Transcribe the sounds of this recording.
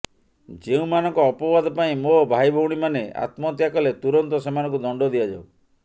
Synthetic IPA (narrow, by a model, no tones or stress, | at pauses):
d͡ʒeũmanɔŋkɔːpɔbad̪ʱɔpaĩmobʱajbʱɔwɽ̃imanea̰t̪mɔt̪jakɔlet̪uɾɔnt̪ɔsemanɔ̃ŋkud̪ɔɳɖɔd̪iad͡ʒao